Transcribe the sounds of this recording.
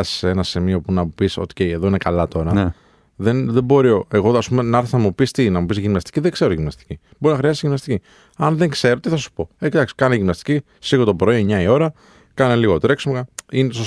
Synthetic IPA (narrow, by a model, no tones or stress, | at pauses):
si̥seenɐsimio̞punɐmupiso̰ce̞jeðo̞ine̞kɐlɐt̪o̞ɾɐ | ðenðe̞bo̞ɾioe̞ɣo̞ɐspume̞nɐɾθesnɐmupist̪inɐmupisʝimnɐst̪i̥ciðeŋɡ̥se̞ɾoʝimnɐst̪i̥ciboɾinɐxɾiɐst̪iʝimnɐst̪ici | ɐnðeŋkse̞ɾo̞t̪iθɐsu̥po̞ecit̪ɐksi̥kɐneʝimnɐst̪i̥ci | siɣo̞t̪opɾoieɲɐio̞ɾɐ | kɐneliɣo̞t̪ɾeksmkɐineo